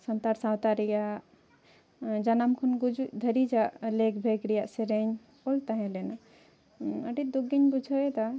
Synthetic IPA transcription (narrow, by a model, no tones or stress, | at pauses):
sənt̪aɾsãwt̪aɾija | d͡ʒanamkʰunɡud͡ʒud̪ʱəɾid͡ʒaʔlekbʱeɡɾijaʔseɾeɲ | olt̪aɦẽlena | əɖid̪uɡiɲbud͡ʒʱəet̪a